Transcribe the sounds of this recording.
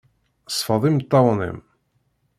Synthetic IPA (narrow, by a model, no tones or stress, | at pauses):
sˤfəðˤimt̪ˤːɑwnḭm